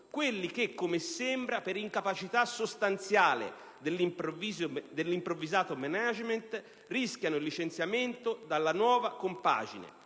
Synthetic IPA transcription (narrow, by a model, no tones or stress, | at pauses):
kwelːik̟ɪkːomesːɛmbɾapeɾiŋkapat͡ʃit̪asːost̪ant̪sjaːlɪ̰ | d̪elːiizd̪elːimpɾovːizaːt̪omɛnad͡ʒment̪ | riskjanʊilːit͡ʃent̪sjament̪ʊd̪alːanwɔːvakompa̰ːd͡ʒḭnḛ